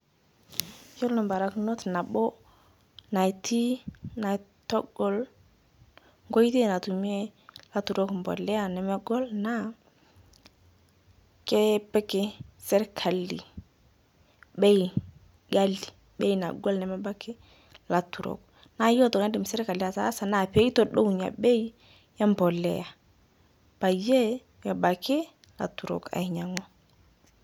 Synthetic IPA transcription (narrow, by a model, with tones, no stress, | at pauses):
ko˦lnu˨mba˨ɾa˦kno˦tna˨bo˦ | na˨tʰi˦na˨tɔ˦ɡ̥ɔ˨l | ŋɡo˦jte˦˨na˨tu˨mi˦e˦la˦tu˨ɾo˦kmbɔ̰˨lɛ˦a˨nɛ˨mɛ˦ɡɔ˦lna˦ | kɛ˦pɛ˦ke˨sɛ˦ɾkʰa˨lḭ˨ | ɓe˦ji˨ | ɡa˦li˨ | ɓe˦i˨na̰˨ɡɔ˦lnɛ˨mɛ˦ba˦kɪ˦ | la˨tu˨ɾɔ̰˨k | na˦jɔ˦tɔ˨ŋa˦di˨m˨sɛ˦ɾka˨li˦a˨ta˦sa˨na˨pe˦i˦tɔ˦ɗo˦˨ɲa̰˨ɓe˦j | ja˦mbɔ˨lɛ̰˨ja˨ | pa˨je˦ | jɛ˨ba˨kʰɪ˦ | la̰˨tu˨ɾo̰˨ka̰˨i˨ɲa˨ŋɔ˦